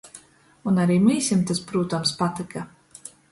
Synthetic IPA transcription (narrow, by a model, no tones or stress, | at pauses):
unaɾiːmiːsʲimt̪aspɾuːt̪amspat̪ika